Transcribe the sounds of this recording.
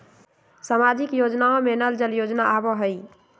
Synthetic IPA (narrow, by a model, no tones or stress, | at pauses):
samad͡ʒikjod͡ʒnaõmenəld͡ʒəljod͡ʒnaʔabɔɦəj